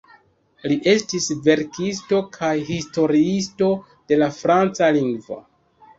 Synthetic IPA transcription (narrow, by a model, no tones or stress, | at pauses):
liʔe̞stisve̞ɾkis̬to̞kʰajɦisto̞ɾiisto̞ | d̥e̞lafɾant͡saliŋɡvo̰